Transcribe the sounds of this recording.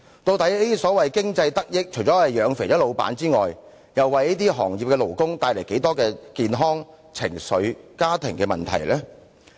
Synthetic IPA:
t̪o˧wt̪ɐ˨˥jiː˥sɔː˨˥wɐ˨jkɪ˥ŋt͡sɐ˧jt̪ɐ˥k̚jɪ˥k̚t͡ʃʰɵ˨˩t͡ʃɔː˨˥ɐ˨jœː˨˧ŋfe˨˩jɐ˥lo˨˧wpa̰ː˨˥nt͡siː˥ŋɔː˨j | jɐ˨wːɐ˨jniː˥t̪iː˥ɦɔː˨˩ŋji˨pkɛː˧lo˨˩wkʊ˥ŋt̪aː˧jlɐ˨˩jke˨˥jt̪ɔː˥kɛː˧kiː˨nɦɔː˥ŋ | t͡sʰɪ̰˨˩ŋsɵ˨˧ɥkaː˥t̪ʰɪ˨˩ŋkɛː˧mɐ̰˨nt̪ʰɐ̰˨˩jlɛː˥

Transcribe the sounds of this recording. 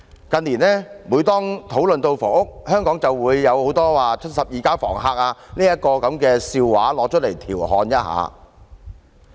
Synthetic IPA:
kɐ˧nlːiː˨˩nɛː˥wuː˨˧jt̪ɔː˥ŋt̪ʰo˨˥wlɵ˨nt̪o˧wfɔ̰ː˨˩ŋʊ˥k̚hœː˥ŋkɔː˨˥ŋt͡sɐ˨wwuː˨˧jːɐ˨˧who˨˥wt̪ɔː˥waː˨t͡ʃʰɵ˥t̚sɐ˨p̚jiː˨kaː˥fɔ̰ː˨˩ŋɦaː˧k̚aː˧niː˥jɐ˥t̚kɔː˧kɐ˨˥mkɛː˧siː˧wwa̰ː˨˥lɔː˨˧k̚t͡ʃʰɵ˥t̚le˨˩jt̪ʰiː˨˩wɦɔː˨˧njɐ˦˥t̚ha̰ː˨˧

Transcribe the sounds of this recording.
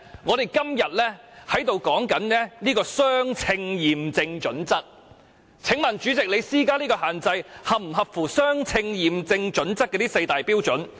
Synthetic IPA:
ŋɔː˨˧ɾe˨jkɐ˥mjɐ˨t̚lɛː˥hɐ˨˥jt̪o˨wkɔː˨˥ŋkɐ˨˥nnɛː˥liː˥kɔː˧sœː˥ŋt͡sʰɪ˧ŋjiː˨˩mt͡sɪ˧ŋt͡ʃɵ˨˥nt͡sɐ˥t̚ | t͡sʰɪ˨˥ŋmɐ˨˩nt͡ʃy˨˥t͡sɪ˨k̚le˨˧jsiː˥kaː˥liː˥kɔː˧ɦaː˨nt͡sɐ˧jhɐ˨p̚m̩˨˩ɦɐ˨p̚fuː˨˩sœː˥ŋt͡sʰɪ˧ŋjiː˨mt͡sɪ˧ŋt͡ʃɵ˨˥nt͡sɐ˥t̚kɛ˧t̪iː˥sɐ˧jt̪aː˨jpiː˥wt͡ʃɵ˨˥n

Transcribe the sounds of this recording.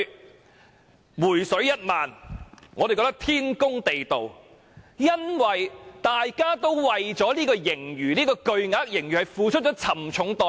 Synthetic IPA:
wuː˨˩jsɵ˨˥ɥjɐ˥t̚maː˨nŋɔː˨˧de˨kɔ˧˥t̪ɐ˥k̚t̪ʰiː˥nkʊ˥ŋt̪e˨jt̪o˨w | jɐ˥nwɐ˨jt̪aː˨jkaː˥t̪o˥wwɐ˨jt͡sɔː˨˥liː˥kɔː˧jɪ˨˩ŋjyː˨˩niː˥kɔː˧kɵ˨˧ɥŋaː˨˥k̚jɪ˨˩ŋjyː˨˩hɐ˨jfuː˨˧t͡ʃʰɵ˥t̚t͡ʃɔː˨˦˥t͡sʰɐ˨˩mt͡ʃʰʊ˨˥ŋt̪ɔː˨˧

